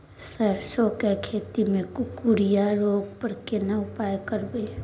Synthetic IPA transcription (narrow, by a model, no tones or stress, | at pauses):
səɾsokekʰeːt̪imẽkuɽijaɾoːɡ̚pəɾkenaʊpaːjkəɾbeː